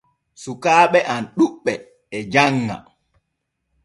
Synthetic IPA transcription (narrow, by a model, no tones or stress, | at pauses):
sukaːɓɛʔanɗuɓːɛ | ɛd͡ʒaŋːa̰